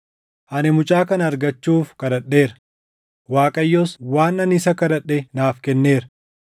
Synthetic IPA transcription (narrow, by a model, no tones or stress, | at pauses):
ʔɐnɛmʊt͡ʃʼaːkɐnɐːɾɡɐt͡ʃːuːfkɐɾɐᶑːe̞ːɾɐ̥ | waːkʼɐjːɔswaːnːɐnɪsɐkɐdɐᶑːɛnaːfkɛnːe̞ːɾɐ